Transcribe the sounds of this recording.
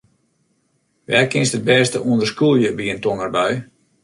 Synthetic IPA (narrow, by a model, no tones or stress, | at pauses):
ʋɛːrkɪnsət̚bɛːstəʔuəndərskulˠjəbiəntonərbɛj